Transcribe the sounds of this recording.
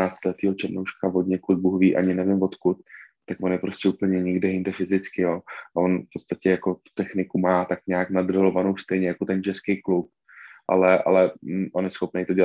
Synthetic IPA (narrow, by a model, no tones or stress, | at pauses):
aːst̪lɛt̪iːɦot͡ʃɛɾnowʃkavod̪ɲɛkud̪̚buɦviːʔa̰ɲɪnɛvɪmvot̪kut̪̚ː | akvo̞njɛpɾo̞scɛuːpl̩ɲɛɲɪɡdɛjɪndɛfɪzɪt͡skɪjoːavo̞nfpot̪st̪acɛjako̞t̪u̥t̪ɛxnɪkumaːt̪akɲaːknadɾalo̞vanowst̪ɛjɲɛjako̞t̪ɛnt͡ʃɛskejklup̚ | ʔa̰lɛʔa̰lɛʔo̞njɛsxo̞pnejt̪o̞ɟɛla